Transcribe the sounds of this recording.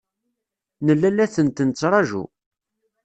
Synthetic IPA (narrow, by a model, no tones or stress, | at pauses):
nəlːælæθənt̪ənt͡sːɾˤɑʒṵ